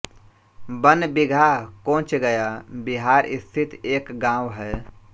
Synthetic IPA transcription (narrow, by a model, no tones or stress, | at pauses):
bənbiɡʱakõːt͡ʃɡəjabiɦaːɾist̪ʰit̪eːkɡãːwɦɛ